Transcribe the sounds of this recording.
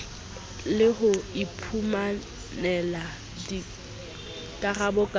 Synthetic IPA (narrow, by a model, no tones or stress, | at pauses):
lɪhʊipʰuma | nɛla | di | kʼarabʊkʼ